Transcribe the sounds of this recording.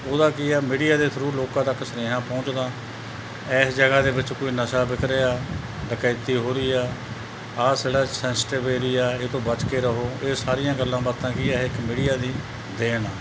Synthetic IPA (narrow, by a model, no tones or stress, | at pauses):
oːd̪aːkiɛːmiːɖijaːd̪eːt̪ʰəɾuːloːkãːt̪əksəneːɦãːpɔ̃ːt͡ʃd̪ãː | ɛːsd͡ʒəɡaːd̪eːbɪt͡ʃkoːiːnəʃaːbɪkʰɾeːaː | ɖəkaːt̪iːɦoːɾiːɛː | aːseːɽaːsɛ̃ːnsʈeːbeːɾiːaːeːt̪õːbət͡ʃkeːɾəɦoːeːsaːɾɪjãːɡəlːãːbəɾt̪ãːkɪːɛːɪkmiːɖɪjaːd̪iː | d̪eːnaː